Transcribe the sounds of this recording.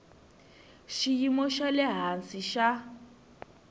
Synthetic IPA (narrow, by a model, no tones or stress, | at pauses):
ʃijimɔʃalɛɦansiʃa